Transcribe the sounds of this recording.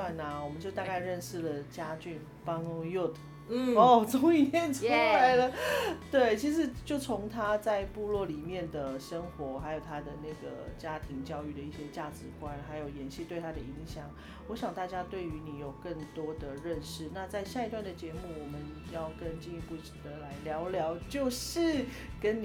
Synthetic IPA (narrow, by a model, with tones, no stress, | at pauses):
a˥˩na˨wɔ˨˩mə˦nt͡ɕjo˥˧ʊa˥˧ka˥˧ɪɻə˥˧nʂɻ̩˥˩lə˩t͡ɕja˥t͡ɕy˥˩n | pɑ˥ŋjɔ˥˩t̪ʰ | ɔ˥t͡sʊ˥ŋi˥˩ɛ˥˩nʈ͡ʂʰu˥la˧˥ɪlə˧t̪we˥˩ɪt͡ɕʰi˧˥ʂ̬ɻ̩˧˥t͡ɕjo˥˩ʊt͡sʰʊ˧˥ŋt̪ʰa˥t͡sa˥˧ɪpu˥˧lwɔ˥˩li˨˩mjɛ˥˩nd̪ə˩ʂə˥ŋxwɔ˧˥xa˧˥ɪjo˨˩ʊt̪ʰa˥d̪ə˨na˥˩ɡə̰˩t͡ɕja˥t̪ʰi˧˥ŋt͡ɕjɑ˥˧ʊy˥˩ɾə˩i˥˩ɕjɛ˦˥t͡ɕja˥˩ʈ͡ʂɻ̩˧˦kwa˦˥nxa˧˥ɪjo˨˩ʊjɛ˧˥nɕi˥˧t̪we˥˩ɪt̪ʰa˥d̪ə˨i˧˥ŋɕjɑ˨˩˦ŋ | wɔ˧˥ɕjɑ˨˩ŋt̪a˥˩t͡ɕja˥t̪we˥˩ɪy˧˥ni˨˩jo˨˩ʊkə˥˩ŋt̪wɔ˥d̪ə˨ɻə˥˧nʂɻ̩˥˩na˥˧t͡sa˥˧ɪɕja˥˩i˧t̪wa˥˩nd̪ə˩t͡ɕjɛ˧˥mu˥˩wɔ˨˩mə˨n | jɑ˥˩ʊkə˦nt͡ɕi˥˩i˧˥pu˥˩ʈ͡ʂ̩˨˩d̪ə˦la˧˥ɪljɑ˧˥ʊljɑ˧˥ʊt͡ɕjo˥˧ʊʂɻ̩˥˩ | kə˦˥n˨